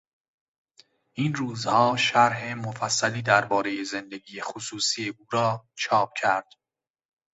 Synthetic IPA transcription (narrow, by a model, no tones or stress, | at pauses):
ʔiːnruːzhɒːʃæɾɦemofæsːæliːd̪æɾbɒːɾe̞jeze̞nd̪e̞ɡiːjexosuːsijeʔuːɾɒːt͡ʃʰɒːp̚cʰæɾd̪̥